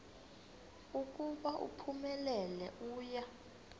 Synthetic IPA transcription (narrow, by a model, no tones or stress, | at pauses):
uk̬ʼuɓaʔṵpʰumɛlɛlɛ̰ʔuːja